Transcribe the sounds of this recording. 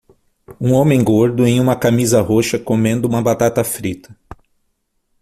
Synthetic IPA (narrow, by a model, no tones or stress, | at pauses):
ũõmẽj̃ɡoɾd̪ʊẽj̃ũmɐkamizɐɦoʃɐkomẽnd̪ʊũmɐbat̪at̪ɐfɾit̪ʰɐ̥